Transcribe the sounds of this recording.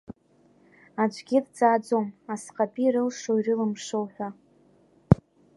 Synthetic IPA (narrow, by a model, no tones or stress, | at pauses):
ad͡ʒʷʼɡʲɪdd͡zaːd͡zo̞masqʼapʼiɾɨlʂoirɨlɨmʂowħʷᶣa